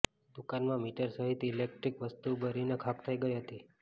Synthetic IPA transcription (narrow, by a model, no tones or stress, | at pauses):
d̪̥ukanmãmiʈəɾsəɦit̪ːlek̚ʈɾikʋəst̪ubəɾinekʰakt̪ʰəiɡəiɦət̪i